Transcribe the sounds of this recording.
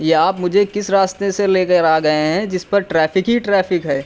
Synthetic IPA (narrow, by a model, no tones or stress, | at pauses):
jeaːpmʊd͡ʒʱekɪsɾaːst̪eseleːkəɾaːɡɐeɦɛ̃d͡ʒɪspɐɾʈɾɛːfɪkɦiʈɾɛːfɪkɦɛː